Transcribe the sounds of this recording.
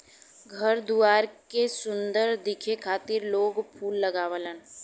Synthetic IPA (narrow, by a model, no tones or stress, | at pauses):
ɡʱəɾd̪uaːɾkesʊ̃nd̪əɾd̪ɪkʰekʰaːt̪ɪɾloːɡpʰuːlːəɡaːʋələn